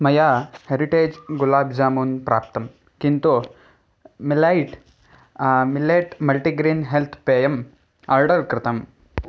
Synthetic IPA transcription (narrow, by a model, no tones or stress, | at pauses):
mɐjaːheɾiʈeːd͡ʒɡulaːbd͡ʒaːmuːnpɾa̰ːp̚t̪ɐm | kint̪u | milajʈ | mileːʈmɐlʈiɡɾiːnɦelt̪ʰpeːjɐm | aːɾɖɐɾkɾɪt̪ɐm